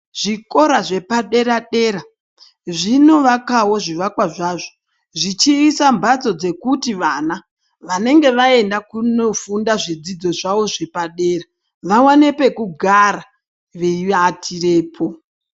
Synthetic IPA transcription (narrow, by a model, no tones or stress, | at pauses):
ʐ̥iko̞ɾaʐe̞paɗe̞ɾaɗe̞ːɾa | ʐino̞ʋakawo̞ʐiʋakwaʐaːʐo | ʐit͡ʃiːsambat͡so̞d͡ze̞kutiʋana | ʋane̞ŋɡe̞ʋae̞ndakuno̞fundaʐid͡zid͡zo̞ʐaʋo̞ʐe̞paɗe̞ːra | ʋawanepe̞kuɡʱaɾa | ʋeatʰire̞ːpʰo̞